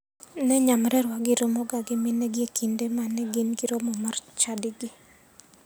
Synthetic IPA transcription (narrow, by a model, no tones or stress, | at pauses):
nɛɲamɾɛɾwaɡɪɾomɔɡaɡɪmɪnɛɡɪekindemanɛɡinɡɪɾomɔmart͡ʃadɪɡɪ